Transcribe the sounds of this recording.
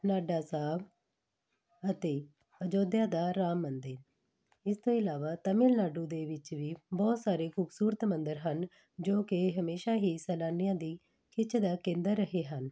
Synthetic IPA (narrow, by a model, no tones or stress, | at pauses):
naːɖaːsaːb | ət̪eː | əd͡ʒoːd̪jãːd̪aːɾaːmːənd̪eːn | ɪst̪õːɪlaːʋaːt̪əmɪlnaːɖũːd̪eːʋɪt͡ʃʋiːbɔːt̪saːɾeːkʰuːbsuːɾət̪mənd̪əɾɦən | d͡ʒoːkɪɦəmeːʃaːɦiːsɛːlaːnijãːd̪iː | kʰɪt͡ʃʰd̪aːkẽːnd̪əɾːəɦeːɦən